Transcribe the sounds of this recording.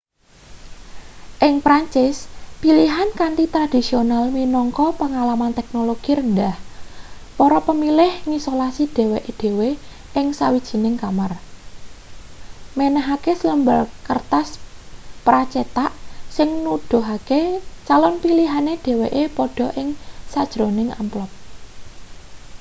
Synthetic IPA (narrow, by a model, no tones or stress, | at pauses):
ʔɪŋpɾaɲt͡ʃɪspiliɦankant̪it̪ɾad̥i̤sionalminɔŋkɔpəŋalamant̪ɛk̚noloɡ̥iɾəndah | pɔɾɔpəmilɪhŋisolasid̥e̤weʔed̥e̤we | ʔɪŋsawid̥ʒ̥i̤nɪŋkamar | menəɦakesələmbalkərt̪aspɾat͡ʃet̪aʔsɪŋnud̥ʊ̤ɦaket͡ʃalɔnpiliɦaned̪̥e̤weʔepɔɖ̥ɔ̤ʔɪŋsad̥ʒ̥ɾonɪŋa̰mplɔp̚